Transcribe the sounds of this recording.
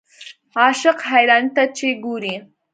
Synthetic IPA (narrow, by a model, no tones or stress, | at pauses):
ɑʃɪqɦajɾɑnt̪at͡ʃeɡuɾi